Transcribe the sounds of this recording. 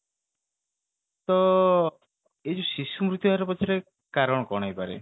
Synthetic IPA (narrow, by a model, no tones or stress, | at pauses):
t̪ɔ | ed͡ʒʰusisumɾut̪juɦaɾɔpɔt͡ʃʰiɾe | kaɾɔɽ̃ɔkɔɽ̃ajpaɾḛ